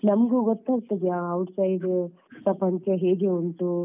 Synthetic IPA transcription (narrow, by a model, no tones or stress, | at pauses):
nɐmɡuːɡɔt̪ːaːɡ̚t̪ɐd̪ijaːɐwʈsɐjɖ | sɐpɐɲt͡ʃɐɦeːɡeunt̪u